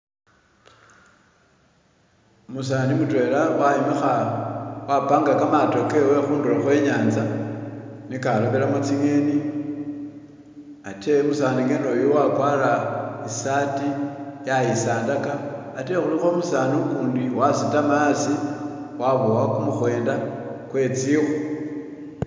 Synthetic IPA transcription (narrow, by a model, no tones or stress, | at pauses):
mus̬animutwe̞ːlawajemexa | wapaːŋɡakamato̞ke̞we̞xuːndulaxwe̞ɲaːnza | nikaloβelamut͡siŋe̞ni | ate̞musaːniŋɡenojowakwalaisatijajisaːndakaːte̞xulixo̞musaːnukuːndiwasitamasi | waβowakumuxwe̞ːndakwe̞t͡sixu